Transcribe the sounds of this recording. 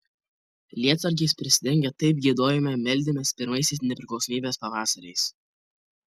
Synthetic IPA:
lʲiɛt̪sɐɾʲkʲɛɪspʲɾʲɪsʲɪd̪ʲɛŋʲɡʲɛt̪ɐɪp̚ɡʲid̪oːjɛmʲɛmʲɛlʲd̪ʲɪmʲɛspʲɪɾmɐɪsʲɪsnʲɛpʲɾʲɪklˠɒʊsɔmʲiːbʲeːspɐʋɑːsɐɾʲɛɪs

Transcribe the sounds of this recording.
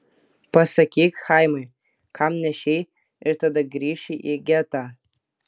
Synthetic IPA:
pʰasakʲʰekʲχajmɨj | kʰamnʲaʃej | irtʰadaɡʲriʃiʔeɡʲatʼa

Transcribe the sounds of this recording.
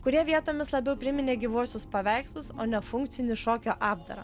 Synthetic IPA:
kʊɾʲiɛʋʲiɛt̪oːmʲɪslˠɐbʲɛʊpʲɾʲɪmʲɪnʲeːɡʲiʋuɔsʲʊspɐʋʲɛɪkslˠʊsoːnʲɛfʊŋk̪̚sʲɪnʲɪʃoːkʲoːʔɑːbd̪ɐ̰ɾɐ̰

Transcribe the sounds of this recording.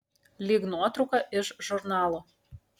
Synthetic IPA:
lʲiɡnot̪ɾukɑʔɘ̆ʒʒurnɑlˠo

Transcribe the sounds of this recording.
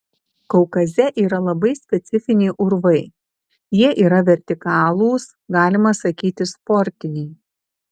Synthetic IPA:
kɔʊkɐzʲɛʔiːɾɐlˠɐbɐɪsʲpʲɛt̪sʲɪfʲɪnʲeːʔʊɾʋɐɪ | jiɛʔiːɾɐʋʲɛɾʲt̪ʲɪkɑːlˠuːs | ɡɑːlʲɪmɐsɐkʲiːt̪ʲɪspɔɾʲt̪ʲɪnʲɛɪ

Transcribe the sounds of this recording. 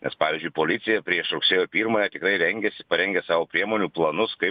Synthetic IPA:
nʲɛspɑːʋʲiɪːzʲd͡ʒʲʊɪpoːlʲɪt̪sʲɪjɛpʲɾʲiɛʃɾʊksʲeːjoːpʲiːɾmɐjɛt̪ʲɪkɾɐɪɾʲɛŋʲɡʲɛsʲɪ̥pɐɾʲɛŋʲɡʲɛsɑːʋoːpʲɾʲiɛmoːnʲuːplˠɐnʊskɐɪ

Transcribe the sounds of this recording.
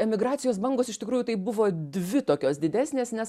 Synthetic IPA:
ɛmʲɪɡɾɑːt̪sʲɪjoːsbɐŋɡoːsɪʃt̪ʲɪkɾuːjuːt̪ɐɪbʊʋoːd̪ʲʋʲɪt̪oːkʲoːsd̪ʲɪd̪ʲæːsʲnʲeːsnʲɛs

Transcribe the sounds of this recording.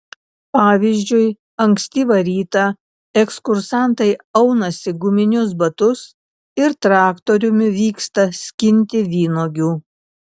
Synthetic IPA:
pɑːʋʲiːzʲd͡ʒʲʊɪ | ɐŋʲkʲsʲt̪ʲiːʋɐɾʲiːt̪ɐ | ɛkskʊɾsɑˑnt̪ɐɪɐʊnɐsʲɪɡʊmʲɪnʲʊsbɐt̪ʊs | ɪɾt̪ɾɑːkt̪oɾʲʊmʲɪʋʲiːkst̪ɐsʲkʲɪnʲt̪ʲɪʋʲiːnoːɡʲuː

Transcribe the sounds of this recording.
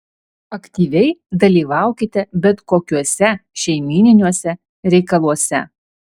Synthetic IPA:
ɐkt̪ʲiːʋʲɛɪd̪ɐlʲiːʋɑˑʊkʲɪt̪ʲɛbʲɛt̪koːkʲuɔsʲɛʃʲɛɪmʲiːnʲɪnʲuɔsʲɛ | ɾʲɛɪkɐlˠuɔsʲɛ

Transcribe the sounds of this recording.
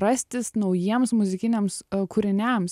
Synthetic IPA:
ɾɐsʲt̪ʲɪsnɐʊjiɛmsmʊzʲɪkʲɪnʲɛmskʊɾʲɪnʲɛms

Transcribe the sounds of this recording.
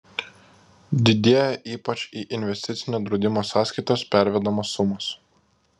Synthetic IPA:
d̪ʲɪd̪ʲeɛjɛʔiːpɐt͡ʃʲiːʔɪnʲʋʲɛsʲt̪ʲɪt̪sʲɪnʲoːd̪ɾɔʊd̪ʲɪmoːsɑːsʲkɐɪt̪ospʲæˑɾʲʋʲɛd̪ɐmoːsːʊmos

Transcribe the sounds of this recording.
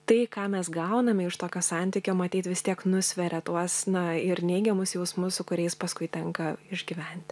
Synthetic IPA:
t̪ɐɪkɑːmʲɛsɡɐʊnɐmʲɪɪʃt̪oːkʲoːsɑˑnʲt̪ʲikʲoːmɐt̪ʲiːt̪ʋʲɪst̪ʲiɛknʊsʲʋʲɛɾʲɛt̪uɔsnɐɪɾnʲɛɪɡʲɛmʊsjɛʊsmʊssʊkʊɾʲɛɪspɐskʊɪt̪ʲɛŋkɐɪʒʲɡʲiːʋʲɛnʲt̪ʲ

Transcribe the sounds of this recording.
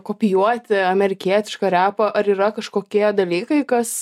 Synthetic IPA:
koːpʲɪjuɔt̪ʲɪɐmʲɛɾʲɪkʲiɛt̪ʲɪʃkɐɾʲæːpɐʔɐɾiːɾɐkɐʃkoːkʲiɛd̪ɐlʲiːkɐɪkɐs

